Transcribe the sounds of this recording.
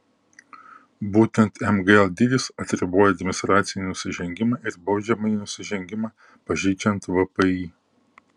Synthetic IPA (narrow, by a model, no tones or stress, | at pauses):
buːt̪ʲɛnt̪ɛmɡəɛlˠd̪ʲid̪ʲɪsɐt̪ʲɾʲɪboːjɛɐd̪ʲmʲɪnʲɪst̪ɾɑːt̪sʲɪnʲiːnʊsʲɪʒʲɛŋʲɡʲɪmɑːɪɾbɒʊd͡ʒʲɛmɐiːnʊsʲɪʒʲɛŋʲɡʲɪmɑː | pɐʒʲɛɪt͡ʃʲɛnt̪ʋɐpɐiː